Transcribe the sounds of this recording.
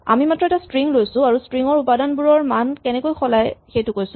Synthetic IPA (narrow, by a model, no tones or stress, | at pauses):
a̰mimatɹɔɛtastɹiŋlojsʊ̃aɹustɹiŋɔɹupadanbuɹɔɹmankɛnɛkojxʰɔlajxejtʊkojsʊ̃